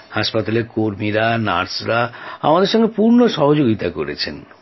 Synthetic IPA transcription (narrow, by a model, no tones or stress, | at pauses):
haʃpat̪aleɾkoɾmiɾana̰ɾsɾaamad̪eɾʃɔŋɡepuɾnoʃɔɦod͡ʑoɡit̪akoɾḛt͡ɕʰḛn